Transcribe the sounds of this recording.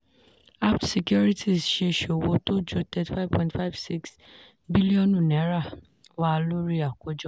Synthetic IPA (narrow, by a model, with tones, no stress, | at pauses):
a˦ptsi˨kjɔ˦ɾi˦tʰi˦˨sʃe˧˨ʃo˨wo˧˦to˦d͡ʒo˦tɛ˦ti˨fa˦vpʰɔ̃˧˨ntfa˦˨vsi˦ks | bi˦li˦ɔ̃˦nũ˦˨nɛ˨˦ɾa˦˨ | wa˦˧lu˦ɾi˦a˨ko˨˦d͡ʒɔ˦